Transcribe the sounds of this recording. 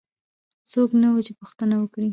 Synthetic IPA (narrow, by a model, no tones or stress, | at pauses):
soknawət͡ʃepʊxt̪ənawəkɽi